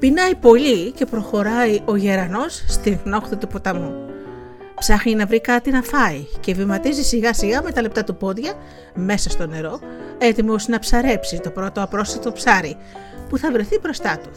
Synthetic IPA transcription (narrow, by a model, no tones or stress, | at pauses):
pinɐipo̞lice̞pɾo̞xo̞ɾɐiʔo̞ʝe̞ɾɐno̞sst̪iŋɣno̞xθit̪upo̞t̪ɐmu | psɐxninɐvɾikɐt̪inɐfɐice̞vimɐt̪izisiɣɐsiɣɐme̞t̪ɐle̞p̚t̪ɐt̪upo̞ðʝɐ | me̞sɐst̪o̞ne̞ɾo̞e̞t̪imosinɐpsɐɾe̞psit̪o̞pɾo̞t̪o̞ɐpɾo̞sɐt̪o̞psɐɾi | puθɐvɾe̞θibɾo̞st̪ɐt̪u̥